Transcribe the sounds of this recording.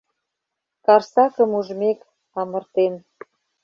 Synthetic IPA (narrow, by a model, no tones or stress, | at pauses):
kɑrsɑkə̆muʒmek | ɑmə̆rt̪en